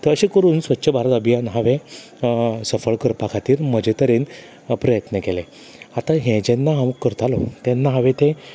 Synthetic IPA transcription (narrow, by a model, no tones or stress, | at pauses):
t̪əəɕekəɾuːnsʋətːɕʰəbʱaɾət̪əbʱijanɦaʋe | səfəɭkəɾpakʰat̪iːɾməd͡ʑet̪əɾen | pɾəjət̪nəkele | at̪ãɦɛ̃d͡ʑenːaɦaməkkːəɾt̪alɔt̪ɛnːaɦaʋet̪ẽ